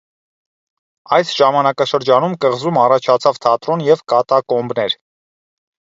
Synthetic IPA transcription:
ɑjsʒ̥ɑmɑnɑkɑʃəɾd͡ʒɑnumkəʁzumɑrɑt͡ʃʰɑt͡sʰɑvt̪ʰɑt̪ɾɔnjɛvkɑt̪ɑkɔmbnɛɾ

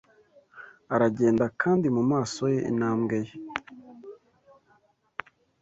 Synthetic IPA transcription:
aɾaɟe̞ːndakʰaːndimumaːso̞jeʔḭnaːmɡe̞je

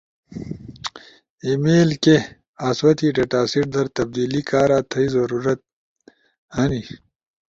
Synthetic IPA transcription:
imeːlke | aːswɐt̪iːʈeʈaːsiʈ̚d̪ɐɾt̪ɐb̚d̪iːlikaːɾaːt̪ʰɐizɐɾuːɾɐt̪̚ | hɐni

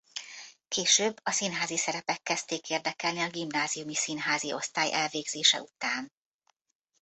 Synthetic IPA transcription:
keːʃøːbːɒsinɦaːzisɛɾɛpɛkːɛst̪eːkeːrd̪ɛkɛlniɒɡimnaːzijumisinɦaːzio̞̰st̪aːjʔɛlveːɡzeːʃɛ̰ut̪aːn

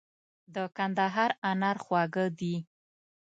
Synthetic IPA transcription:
d̪əkand̪aɦɑɾanaɾxwɑɡəd̪i

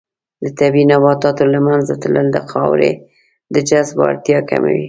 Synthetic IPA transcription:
d̪ət̪abinabɑt̪ɑt̪olamanzat̪ləld̪əxɑwɾḛ | d̪əd͡ʒazbɑ̰ɾt̪jɑka̰ma̰wi

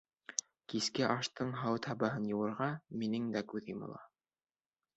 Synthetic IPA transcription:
kiskɘʔɑʃt̪ɤɴɦɑwt̪ʰɑbɑɦɤnjɤ̆wɤ̆ɾʁɑminɘŋd̪ækʉðimŏ̰lˠɑ̰

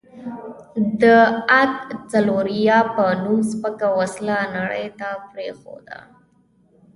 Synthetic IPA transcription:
d̪əat̪t͡saloɾijɑpənumspəkawaslanaɽə̰jt̪apɾexo̰d̪a̰

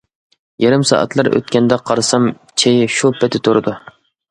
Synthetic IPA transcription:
jeɾɪmsɑ̰ʔɑ̰t̪lˠɑɾʔø̰t̪̚kʲɛnd̪ɛqʰɑɾɨsɑm | t͡ʃʰejɪʃupʰɛt̪ʰɪt̪ʰuɾɨd̪u

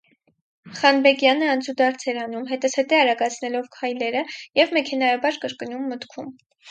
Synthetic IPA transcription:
χɑnbɛɡjɑnəɑnt͡sud̪ɑɾt͡sʰɛɾɑnumɦɛt̪əsʰɛt̪ɛɑɾɑɡɑt͡sʰnɛlɔvkʰɑjlɛɾəjɛvmɛkʰɛnɑjɑbɑɾkəɾkənumːət̪kʰum

